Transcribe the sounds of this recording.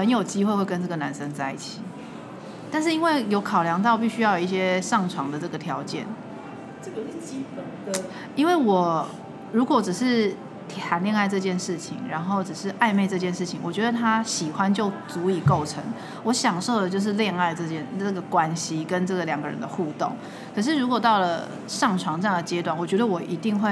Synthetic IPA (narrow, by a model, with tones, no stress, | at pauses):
xə˧˦njo˨˩ʊt͡ɕi˥xwe˥ɪxwe˥˩ɪkə˦nʈ͡ʂɤ˥˩ə˩na˧˦nʂə˥ŋt͡sa˥˧ɪḭ˥˩t͡ɕʰi˨˩ | t̪a˥˧nʂ̬ɻ̩˥˩i˥nwe˥˩ɪjo˧˥ʊkʰɑ˨˩ʊljɑ˧˥ŋt̪ɑ˥˩˨pi˥˩ɕy˥jɑ˥˩jo˨˩i˥˩ɕjɛ˦˥ʂɑ˥˩ŋʈ͡ʂʰwɑ˧˥ŋd̪ə˨ʈ͡ʂɤ˥˩ɡə˩t̪ʰjɑ˧˥ʊt͡ɕjɛ̰˥˨n | ə˥˩ɡə˨t͡ɕi˥˩pə˨ | i˥nwe˥˩ɪwɔ˨˩ | ɻu˧˦˥kwɔ˨˧˦ʈ͡ʂ̩˨˩ʂɻ̩˥˧ | t̪ʰxa˨˥nljɛ˥˧ŋa˥˧ɪʈ͡ʂɤ˥˧t͡ɕjɛ˥˧nʂɻ̩˥˩t͡ɕʰḭ˧˩ŋɻa˧˥nxo˥˩ʊʈ͡ʂ̩˨˩ʂɻ̩˥˧ʔa˥˧ɪme˥ɪʈ͡ʂɤ˥˧t͡ɕjɛ˥˧nʂɻ̩˥˩t͡ɕʰi˨˦ŋwɔ˨˩t͡ɕɥɛ˧˥d̪ə˧t̪ʰa˦ɕi˨˩xwa˦nt͡ɕjo˥˩ʊt͡su˨˧˥i˨˩ko˥˩ʊʈ͡ʂʰə̰˧˦ŋ | wɔ˧˥ɕjɑ˨˩ŋʂo˥˩ʊd̪ə˩t͡ɕjo˥˧ʊʂ̬ɻ̩˥˧ljɛ˥˧ŋa˥˧ɪʈ͡ʂɤ˥˧t͡ɕjɛ˥˩nə˥˩ɡə˩kwa˦˥nɕi˧kə˦nʈ͡ʂɤ˥˩ɡə˩ljɑ˨˩ŋɡə˦ɻə̰˧˦nd̪ə̰˧xu˥˧t̪o̰˥˨˩ŋ | kʰə˨˩ʂ̬ɻ̩˥˩ɻu˧˥kwɔ˨˩t̪ɑ˥˩ʊlə˩ | ʂɑ˥˩ŋʈ͡ʂʰwɑ˧˥ŋt͡sɤ˥˧jɑ˥ŋd̪ə˩t͡ɕjɛ˧˥t̪wa˥˩nwɔ˨˩t͡ɕɥɛ˧˥d̪ə˧wɔ˨˩ʔi˧˥t̪i˥˧ŋxwe˥˩ɪ